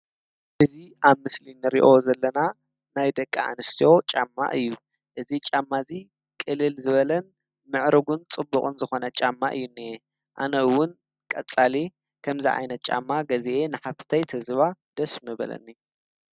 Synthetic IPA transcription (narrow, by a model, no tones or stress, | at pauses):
ʔɨziʔaβmɨslinɨɾḭʔo̞zɐlːɐna | najd̪ɐkʼːa̰a̰nɨst̪ʰijo̞t͡ʃʼa̰mːa̰ʔɨjːu | ʔɨzit͡ʃʼamːazi | kʼɨlːɨlzɨβɐlɐn | mɨʕɾɨɡunt͡sʼɨbːukʼɨnzɨxo̞nɐt͡ʃʼamːaʔɨ̰jːunːie | ʔanɐɨwʊn | kʼɐt͡sʼali | kʰɐmziʔʕa̰jnɐt̪̚t͡ʃʼa̰mːaɡɐzeʔenɨħaβt̪ʰɐjt̪ʰɐzɨβad̪̥ɐsmɨbɐ̰lɐ̰nːi